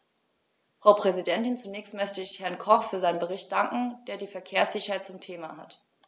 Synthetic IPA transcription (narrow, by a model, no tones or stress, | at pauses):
fʁ̥aʊpʁ̥ɛzidɛntɪnt͡sunɛːçstmœçtəɪçhɛɐnkʰɔχfyːɐzaɪnənbəʁ̞ɪçt̚d̥aŋkŋ̩d̥eːɐdiːfɛɐkʰeːɐsz̥ɪçɐhaɪt̚t͡sʊmtʰeːmaɦa̰t